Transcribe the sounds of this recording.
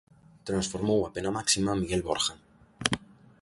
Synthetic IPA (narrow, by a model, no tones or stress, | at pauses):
t̪ɾansfoɾmowapenamaksimamiɣelβo̰ɾxaŋ